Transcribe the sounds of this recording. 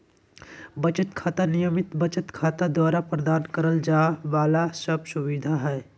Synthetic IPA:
bɐt͡ʃət̪kʰaːt̪anɪjəmɪt̪bɐt͡ʃət̪kʰaːt̪ad̪waːɾapɾəd̪aːnkəɾəld͡ʒaːʋaːlasəb̚sʊʋɪd̪ʱaɦɛː

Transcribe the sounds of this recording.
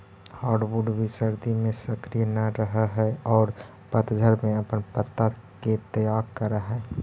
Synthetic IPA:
haːɾɖʋuɖbʱisəɾd̪imẽsəkɾijnəɾəɦaɦɛɔːɾ | pət̪d̪ʱəɾmẽɐpənpət̪ːa | ket̪əjaːkəɾaɦɛː

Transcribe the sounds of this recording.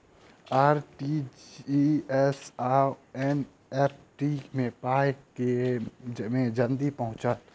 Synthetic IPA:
aːɾʈiiɛsaɛn | ɛːp̚ʰʈimẽpaːeke | mẽd͡ʒənd̪ipɐɦʊ̃t͡ʃət̪

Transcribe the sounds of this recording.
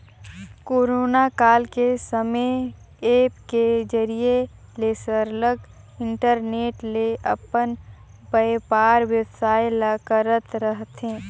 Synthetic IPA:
koːɾoːnakaːlkesəmə | eːpked͡ʒəɾie | lesəɾləɡ | ɪ̃ɳʈəɾneːʈleʔɐpən | bəpaːɾwjəwsaːjlakəɾət̪ɾəɦt̪ẽː

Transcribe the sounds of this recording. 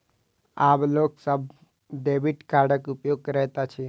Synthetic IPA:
aːbloːksəb̚ | ɖeːbiʈkaːɾɖəkʊpjoːɡ̚kɾɛɦt̪at͡ʃʰi

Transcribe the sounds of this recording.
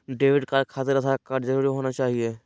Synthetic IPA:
ɖeːʋɪɖkaɾkʰaːt̪eɾət̪ʰakaɖd͡ʒəɾuːɾiɦoːnat͡ʃaːɦieː

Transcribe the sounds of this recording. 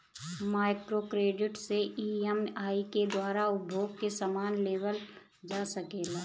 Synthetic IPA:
maːɪkɾokɾeːɖɪʈseʔiɛmaːiked̪waːɾaʊbʱoːɡ̚kesamaːnleːʋəl | d͡ʒaːsəkeːlaː

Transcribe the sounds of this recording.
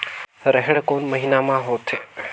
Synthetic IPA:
ɾəɦeɽkonməɦinamãɦot̪ʰe

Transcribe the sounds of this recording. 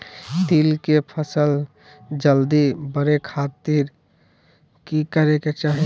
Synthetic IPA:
t̪iːlkepʰəsəl | d͡ʒəld̪ibəɾekʰaːt̪iɾ | kikəɾeket͡ʃaːɦi

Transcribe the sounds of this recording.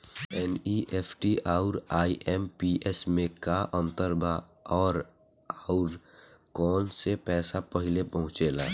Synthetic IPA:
ɛniʔeːpʰʈiʔaːʊɾaːiʔɛmpiʔesmẽkaʔə̃nt̪əɾba | ɔːɾ | aːʊɾ | kɔːnsepɛːsapəɦɪlepəɦʊ̃t͡ʃela̰ː

